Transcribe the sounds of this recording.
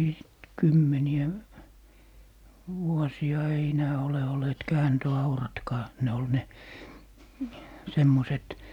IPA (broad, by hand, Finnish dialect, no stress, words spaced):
sit kymːeniæ ʋuɔsiɑ ei enæː ole olˑeːt kæːntøɑurɑtkɑː ne ol ne semːoset